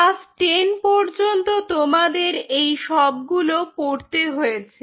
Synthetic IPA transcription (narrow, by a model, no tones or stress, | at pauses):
asʈenpɔɾd͡ʑont̪ot̪omad̪eɾejʃɔb̚ɡulopoɾt̪eɦojet͡ɕʰe